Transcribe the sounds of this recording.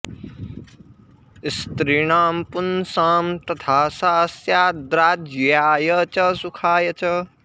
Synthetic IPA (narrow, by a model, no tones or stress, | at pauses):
ist̪ɾiɳaːmpunsaːmt̪ɐt̪ʰaːsaːsjaːd̪ɾaːd͡ʒjaːjɐt͡ʃɐsukʰaːjɐt͡ʃɐ